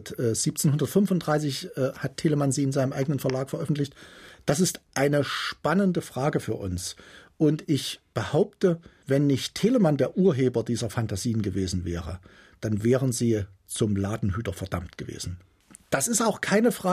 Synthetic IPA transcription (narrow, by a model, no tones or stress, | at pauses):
tɛːz̥iːp̚t͡senhʊndɐtfʏnfʊntd̥ʁaɪsɪçʔɛhatʰːeːləmanziːɪnzaɪnəmʔaɪɡənənfɛɐlaːkfɛɐʔœfn̩tlɪçtd̥as̬ɪstʔaɪnəʃpanəndəfʁ̥aːɡəfyːɐʔʊ̰nsʔʊntɪçb̥əhaʊp̚tə | vɛnːɪçtʰeːləmandeːɐʔuːɐɦeːbɐdiːzɐfantaziːənɡəveːzn̩vɛːʁə̰ | d̥anvɛːʁənziː | t͡sʊmlaːdn̩ɦyːtɐfɛɐd̥amtɡ̥əvḛːzn̩ | d̥asɪstaʊxkʰaɪnəfʁ̥aː